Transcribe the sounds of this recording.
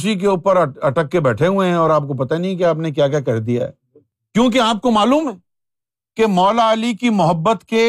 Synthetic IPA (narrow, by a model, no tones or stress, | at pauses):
ʃik̬euːpəɾɐʈəkːebɛːʈʰeɦʊẽɦɛ̃ɔːɾaːp̚kopɐt̪anɐɦĩk̬eaːpnek̬jaːkjaːkɐɾd̪ija̰ɦɛ̰ː | kjõːk̬eaːp̚komaːluːmɦɛː | kemɔːlaːlikimʊɦəbːət̪ke